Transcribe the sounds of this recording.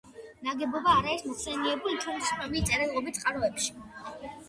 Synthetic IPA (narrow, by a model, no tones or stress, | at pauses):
naɡɛbɔbaːɾaismɔχsɛniɛbulit̪ʰuɾspɛmit̪sʼɛɾɛlˠɔbit̪sʼqʼaɾɔɛpʃi̥